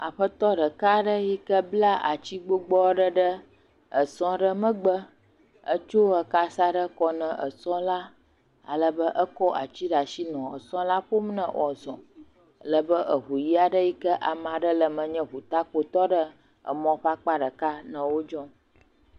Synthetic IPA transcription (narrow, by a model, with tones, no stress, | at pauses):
a˨ɸə˦t̪ɔ˦ɖə˨ka˦ɖə˦ji˦kə˦bla˦ʔa̰˨t͡ɕi˦ɡ͡bo˦ɡ͡bɔ˦ɖə˦ɖə˦ | ə˨sɔ̃˦ɖə˦mə̃˦ɡ͡bə˦ | ə˦t͡ʃo˦ə˨ka˦sa˦ɖə˦kɔ˦nə̃˨ʔə̰˨sɔ̃˦la˦ | a̰˨lə˦bə˦ʔə˦kɔ˦a̰˨t͡ɕi˦ɖa˨ʃi˦nɔ̃˨ə̰˨sɔ̃˦la˦ɸo˦mnə̰̃˨wɔ˨zɔ̰̃˨ | lə˨bə˦ʔə˨ɦu˨ji˦a˨ɖə˦ji˦kə˦ʔa˨mã˨ɖə˦lə˨mə̃˨ɲɛ̃˦ɸu˨t̪a˦k͡po˨t̪ɔ˦ɖə˦ | ə̰˨mɔ̃˦ɸa˦k͡pa˦ɖə˨ka˦nə̃˨wo˦d͡ʒɔ̃˦